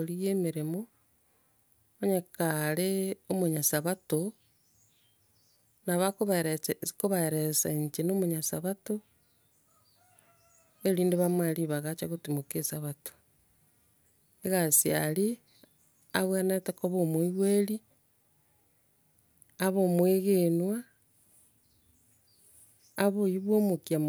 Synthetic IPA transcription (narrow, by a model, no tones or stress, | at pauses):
oɾijeːmiɾemo | βaɲakaleomoɲasaβato | naβakoβɾkoβaeɾesaeɲt͡ʃenoːmoɲasaβato | eɾiːndeβamweɾiβaɣat͡ʃa̰ɣotimokesaβato̥ | eɣasia̰li | aβwanetekoβomwoiɣweɾi | βomweɣenwa | βoiβwomokjam